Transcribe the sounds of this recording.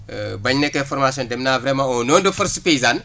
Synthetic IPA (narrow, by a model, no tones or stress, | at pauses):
bɐɲnɛkːɛ̃fɔɾmasjɔ̃ndɛmnaːvɾɛmãɔnɔndufɐɾsupeizan